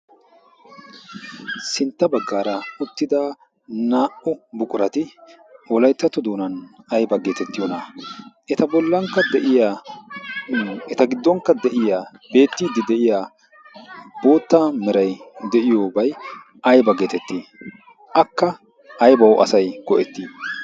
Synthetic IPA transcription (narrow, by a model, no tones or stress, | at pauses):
sɪnt̪ːɐbɐɡːaːɾɐʊt̪ːɪd̪aː | naːʔʊbʊkʼʊɾɐt̪ɪ | wɔlɐjt̪ːɐt̪ːɔd̪oːnɐn | ɐjbɐɡeːt̪ɛt̪ːɪjoːnɐʔɛt̪ɐbɔlːɐŋkːɐd̪ɛʔɪja | ɛt̪ɐɡɪd̪ːɔŋkːɐd̪ɛʔɪjaː | be̞ːt̪ːɪːd̪ɪd̪ɛʔɪjaː | b̥o̞ːt̪ːɐmɛɾɐjd̪ɛʔɪjo̞ːbɐj | ʔɐjbɐɡeːt̪ɛt̪ːi | ʔɐkːɐ | ɐjbɐwʔɐ̰sɐjɡɔʔɛt̪ːiː